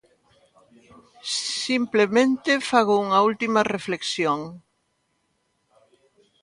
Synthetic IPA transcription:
implemẽnt̪ɪfaɣouŋɐult̪imɐrefleksjoŋ

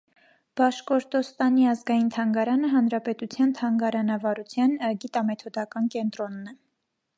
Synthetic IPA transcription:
b̥ɑʃkɔɾt̪ɔst̪ɑniɑzɡɑjint̪ʰɑŋɡɑɾɑnəɦɑnɾɑpɛt̪ut͡sʰjɑnt̪ʰɑŋɡɑɾɑnɑvɑɾut͡sʰjɑnəɡit̪ɑmɛt̪ʰɔd̪ɑkɑnkɛnt̪ɾɔnːɛ

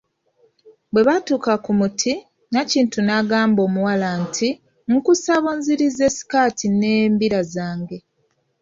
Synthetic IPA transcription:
bwe̞βatuːkakumutʰi | naciːntunaɡaːmbo̞ːmuwalantʰi | ŋkusaβonziɾizesi̥kaːtineːmbiɾazaːŋɡe̞

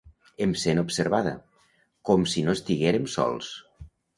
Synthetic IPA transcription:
emsenupseɾβaðə̰ | kɔmsinoest̪iɣeɾemsɔ̰lˠs

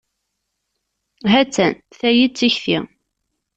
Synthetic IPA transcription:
ɦæt͡sːæn | θæjit͡sːiçθḭ

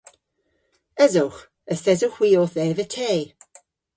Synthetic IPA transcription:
ɛzʊwχ | əsɛzʊxw̥iːoːθɛvətʰeː

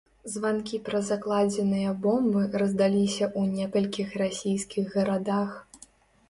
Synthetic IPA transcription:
zvankʲipɾɐzaklˠad͡zʲɛnɨjɐbɔmbɨrɐzd̪alʲisʲɐʔunʲɛkɐlʲkʲixrasʲijskʲiɣːɐɾad̪ax

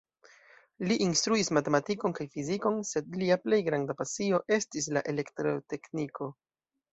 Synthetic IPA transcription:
liʔinstɾuismate̞matiko̞nkajfiziko̞nse̞dliaple̞jɡɾandapasio̞ʔe̞stis̬laʔe̞le̞ktɾote̞kniko̞

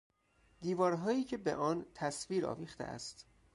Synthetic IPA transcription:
d̪̥iːvɒːɾɦɒːjiːcʰe̞beʔɒːnt̪ʰæsviːɾɒ̰ːviːxt̪ḛʔæ̰st̪

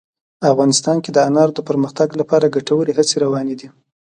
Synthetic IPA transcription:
afɣɑnɪst̪ɑnked̪əanɑɾd̪əpəɾməxt̪aɡlapɑɾaɡaʈawəɾeɦat͡seɾawɑned̪i

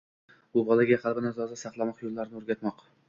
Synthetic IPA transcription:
bʊbɒlˠaɡʲahalˠbɪnazɒzasɑqlˠamɒqjolˠːaɾnɪoɾɡʲat̪mɒq

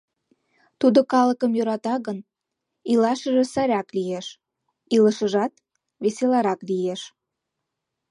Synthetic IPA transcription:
t̪ud̪okɑləkəmjøɾɑt̪ɑɣən | ilɑʃəʒĕsæɾʲɑklijeʃ | iləʃəʒɑt̪ | βeselɑɾɑklijeʃ

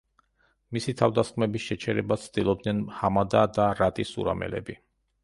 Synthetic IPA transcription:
misit̪ʰavd̪asχmɛbisʃɛt͡ʃʰɛɾɛbat̪sʰt̪ʼilˠɔb̚d̪nɛnhamad̪ad̪aɾat̪ʼisṵɾa̰mɛ̰lɛ̰bi

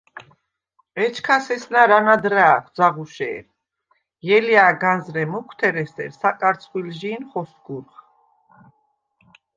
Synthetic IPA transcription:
ɛt͡ʃʰkʰasɛsnaɾanad̪ɾaːχd̪zaʁuʃɛ̰ːɾ | jɛliaːɡanzɾɛmukʰwt̪ʰɛɾɛsɛ̰ɾsakʼaɾt̪t͡s̪ʰχwilʒiːnχɔsɡuɾχ

